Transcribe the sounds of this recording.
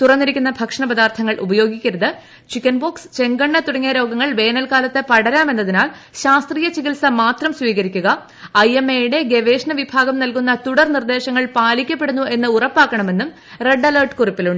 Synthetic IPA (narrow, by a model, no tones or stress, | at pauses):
t̪urɐnːiɾikʲːunːɐbʱɐkʂɐɳɐpɐd̪aːrt̪ʰɐŋːɐɭʔṵbɐjo̞ːɡikʲːiɾɐðɨ | t͡ɕikːɐnboːkst͡ɕe̞ŋɡɐɳːɐt̪uɽɐŋːijɐɾo̞ːɡɐŋːɐɭʋe̞ːnɐlkaːlɐt̪ːɨpɐɽɐɾaːme̞nːɐðinaːl | ɕaːst̪riːjɐt͡ɕiɣilsɐmaːt̪rɐmsʋiːɣɐɾikʲːuɣɐ | ɐjemːejiɽe̞ɡe̞ʋe̞ːʂɳɐʋibʱaːɡɐmnɐlkunːɐt̪uɽɐrnird̪e̞ːɕɐŋːɐɭpaːlikʲːɐpːe̞ɽunːue̞nːɨurɐpːaːkːɐɳɐme̞nːum | re̞ɖːɐlɐrʈɨ̥kuripːiluɳɖɨ